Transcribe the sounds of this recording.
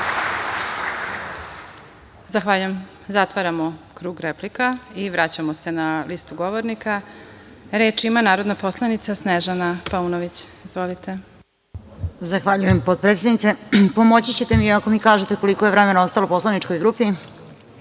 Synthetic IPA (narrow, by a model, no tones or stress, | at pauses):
zaxʋaʎujem | zat̪ʋaɾamokɾuːɡɾeplikaiʋɾat͡ɕamose̞nalist̪uɡo̞ʋoɾnika | ɾe̞ːt͡ʃimanaːɾod̪napo̞slˠanit̪sasneʒanapaunoʋit͡ɕizʋolit̪e | zaxʋaʎujempo̞d̪̚pɾeːt̪sed̪nit̪sepo̞mo̞t͡ɕit͡ɕe̞t̪e̞miako̞miːkaːʒet̪e̞ko̞liko̞jeʋɾemenao̞st̪alˠopo̞slanit͡ʂko̞jɡɾupi